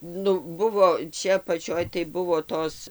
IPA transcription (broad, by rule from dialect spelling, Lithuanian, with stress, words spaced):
ˈnʊ ˈbʊʋoː ˈt͡ʃʲɛ ɐpɐˈt͡ʃʲoːj tɐɪ ˈbʊʋoː ˈtoːs